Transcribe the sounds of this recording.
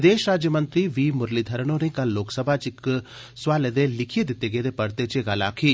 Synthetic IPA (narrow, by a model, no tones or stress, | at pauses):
d̪eːʃɾaːd͡ʒjəmə̃nt̪ɾiʋiːmʊɾlid̪ʱɐɾnõnẽkɐlːoːksəbʱat͡ʃɪk | swaːled̪elɪkʰijed̪ɪt̪ːeɡed̪epɐɾt̪et͡ʃeɡala̰ːkʰi